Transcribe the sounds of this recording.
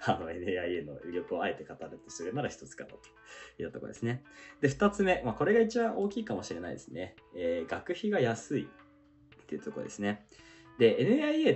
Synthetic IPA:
ano̞e̞nɯ̟aieno̞̰ɾʲo̞kɯ̟o̞aet̪e̞kat̪aɾɯ̟t̪o̞sɨɾɯ̟naɾaçi̥t̪o̞t͡sɨ̥ka̰not̪o̥it̪ːat̪okoo̰d̪esɨne̞d̪̥e̞ɸɯ̟̥t̪at͡sɨme̞maːko̞ɾe̞ɡait͡ɕibãʔo̞ːkʲiːkamo̞ɕiɾe̞na̰ḭd̪esɨne̞eːɡakɯ̟çiɡajasɨi | t̪ːeiɯ̟t̪okoɾo̰d̪e̞sɨne̞ | d̪e̞enɯ̟aieː

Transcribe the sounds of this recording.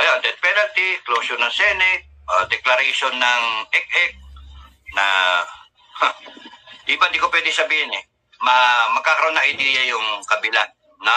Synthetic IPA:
ʔɐjond̪ɛt̪̚pɛnɐlt̪iklowʃʊɾnɐŋsɛnɪk̚ | ʔod̪ɛklɐɾɛʃonːɐŋʔɛk̚ʔɛk̚ | nɐ | h̪ | d̪iband̪ikopwɛd̪ɪsɐbiːhɪnɛ | mɐmɐɡ̚kːakɐɾɐʔonːɐŋʔɐjd̪iːjɐjʊŋkɐbɪlanː | ɐ

